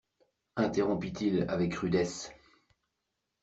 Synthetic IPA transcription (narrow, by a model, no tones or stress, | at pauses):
ɛ̃t̪eʁɔ̃pit̪ila̰vɛkʁyd̪ɛs